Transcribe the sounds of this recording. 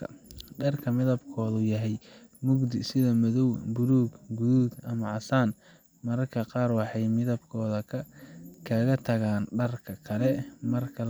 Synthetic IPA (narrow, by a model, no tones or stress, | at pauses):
ɖɐrkʰɐmɪðɐbkʰɔːðʊjɐɦɛjmʊɡd̪ɪsɪðɐmɐðɔwbʊɾuːɡɡuðuːɡ̪ɐmɐʕɑsaːn | mɐɾɐkʰɐqɑːrwɑħɑjmɪðɐbkʰɔːðɐ | kʰɐɣɐt̪ʰɐɣaːnɖɐrkʰɐkʰɐlɛmɐrkʰɐ